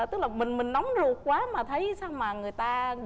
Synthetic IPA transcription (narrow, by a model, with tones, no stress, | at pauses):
t̪ɨ˦˥k̚laː˨˩mï˨˩ŋ̟mï˨˩ŋ̟nɔ˨˦wŋ͡mzu˨˩əkkwaː˨˦maː˨˩t̪ʰə˨˦jsaː˧wmaː˨˩ŋɨ˨˩əjt̪aː˧